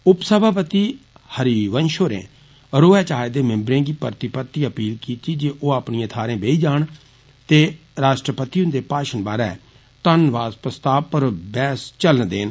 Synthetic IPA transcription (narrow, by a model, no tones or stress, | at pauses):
ʊpsəbʱaːpət̪iːhəɾiːʋənʃoːɾḛ̃ː | ɾoːɛːt͡ʃaːed̪eːmɪ̃mbɾẽːɡiːpəɾt̪ɪpət̪iːəpiːlkiːt̪iːd͡ʒeːʔoːaːpɳĩãːt̪ʰaːɾẽːbeːiːd͡ʒaːɳ | t̪eː | ɾaːʃʈɾəpət̪iːʊnd̪eːpaːʃənbaːɾɛ̰ː | t̪ənʋaːspɾəst̪aːpəɾbɛːst͡ʃələnd̪eːn